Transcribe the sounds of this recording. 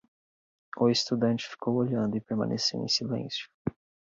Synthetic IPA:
ʊest̪ud̪ɐ̃nt͡ʃɪ̥fi̥kowoʎɐ̃nd̪ʊɪpeɾmɐ̰̃nḛsḛwḛ̃j̃silḛ̃sjʊ̥

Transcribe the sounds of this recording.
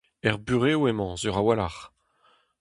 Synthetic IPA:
ɛʁbyʁeoemɑ̃zyʁawalaʁ

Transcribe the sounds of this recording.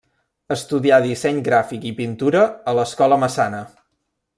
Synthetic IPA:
əst̪uðiaðisɛɲɡɾafikipint̪uɾəːləskɔləməsanə

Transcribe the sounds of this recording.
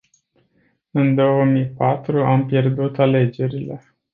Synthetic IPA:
ɨnd̪o̞wəmijpat̪ɾuampje̞rd̪ut̪ale̞d͡ʒe̞ɾile̞̰

